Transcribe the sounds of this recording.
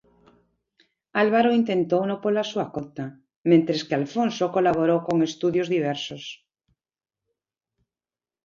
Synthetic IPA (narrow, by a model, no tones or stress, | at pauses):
alβaɾoint̪ẽ̞nt̪ownopolasuakot̪a | mẽnt̪ɾeskealfonsokolaβ̞oɾowkoŋest̪uðjozðiβ̞ɛɾsos